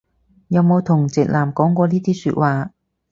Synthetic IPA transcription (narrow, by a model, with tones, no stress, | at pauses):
jɐ˨˧wmo˨˧wt̪ʰʊ˨˩ŋt͡sɪ˨k̚laː˨˩mkɔː˨˥ŋkʷɔː˧liː˥t̪ʰiː˥sy̰ː˧t̚waː˨